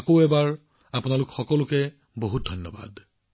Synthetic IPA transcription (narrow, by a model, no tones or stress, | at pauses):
koʊɛbaɹ | apʊnalʊkxɔkɔlʊkɛ | boɦut̚dʱɔnːɔba̰d